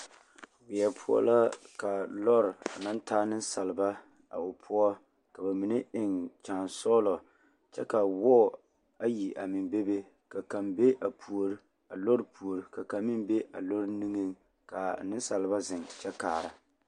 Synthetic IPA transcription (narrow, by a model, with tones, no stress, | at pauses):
wɪ˨ɛ˨pʰʊ˦ɔ̰˦la˦ka˨lɔ˦ɾa˨na˦ntaː˦nɨ˦n˦sa˨lɨ˨ba˦ | a̰˨o˨pʰʊ˦ɔ˦ | ka˨ba˨mi˨nɨ˦ɪ˨ŋt͡ʃaː˨nsɔ˦lɔ˨ | t͡ʃɛ̰˦ka˨wɔː˦˨ | a˦ji˨ʔa˨mɪ˨nbe˦be˦ | ka˨ka˨mbe˦ʔa˨pʰu˨o˨ɾi˦ | a˨lo˦ɾɨ˦pu˨o˨ɾi˨ka˨ka˨mi˦mbe˦ʔa̰˨lo˦ɾnɨ˦ŋɨ˦ŋ | ka˨nɨ˦n˦sa˨lɨ˨ba˦zɪ˨ŋt͡ʃɛ˦kaː˨ɾa˨